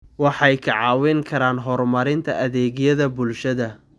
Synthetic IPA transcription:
wɑħɑjkʰɐʕɑːwɛŋkʰɐɾaːnɦɔrmɐɾɪnt̪ʰɐɐðɛːɣjɐðɐbʊlʃɐðɐ

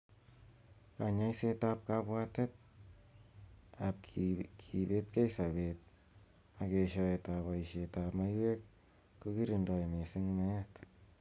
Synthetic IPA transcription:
kaɲajsetap̚kapwatɛt̚ | ap̚kʰibet̚kejsabet̚ | akeʃɔetaβaiʃetapmajwek̚ | kukiɾindɔjmesɪŋmɛt

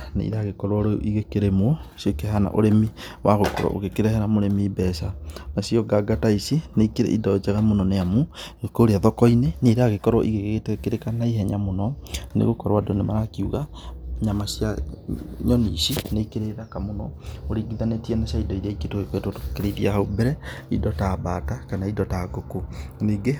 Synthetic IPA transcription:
nḛḭɾeaɣekɔɾɔɾiɣekeɾemosokeɦana̰ʔoɾemiwʔaɣokɔɾɔ̰ʔo̰ɣekeɾɛhɛɾamoɾemibɛsanasiɔɡaɡataisineikeɾḛʔidɔd͡ʒɛɣamonɔneamuŋekoɾeaðɔkɔineneɾeaɣekɔɾɔʔiɣeɣeɣetekeɾekanaiɦɛɲamonɔnḛɣokɔɾwadonemaɾakiuɣaɲamasja | ɲɔnḭʃineikeɾeɾakamonɔoɾiɡiðanetiɛnasaidɔiɾaiketoɣekwetotokeɾeiðiahaubɛɾɛidɔtabatakanaidɔtaɡokoniɡe

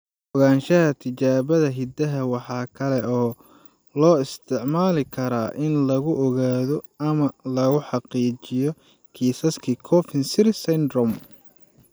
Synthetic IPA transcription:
ʔɔɣaːnʃɐɦɐt̪ʰɪt͡ʃaːβɐðɐɦɪd̪ɐɦɐwɑħɑːkʰɐlɛʔɔː | lɔːɪst̪ʰɪʕmaːlɪkʰɐɾa̰ːʔɪnlɐɣʊʔɔɣaːðɔɐmɐlɐɣʊħɑqiːt͡ʃɪjɔ | kʰiːsɐskʰikʰɔfɪnsɪɾsɐnd̪rɔm

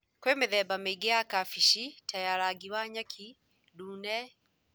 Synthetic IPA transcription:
kwemeðɛbameɡeakafiʃitʰajaɾaɡiwaɲakʰi | duːnɛ

